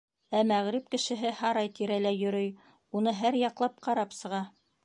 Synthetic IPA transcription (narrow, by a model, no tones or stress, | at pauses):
æmæʁɾɘp̚kɘ̆ʃɘ̆ɦɘhɑɾɑjt̪iɾælæjɵ̆ɾɵj | unɤɦæɾjɑqlˠɑp̚qɑɾɑpsɤ̆ʁɑ